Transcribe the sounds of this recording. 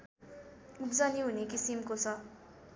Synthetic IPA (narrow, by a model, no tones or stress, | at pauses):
upd͡zʌniɦunekisimkot͡sʰʌ